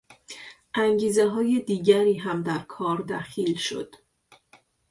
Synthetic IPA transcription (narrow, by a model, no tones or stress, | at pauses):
ʔæŋɟiːzeɦɒːje̞d̪iːɟæɾiːɦæmd̪æɾkʰɒːɾd̪æxiːlʃo̞̰d̪̥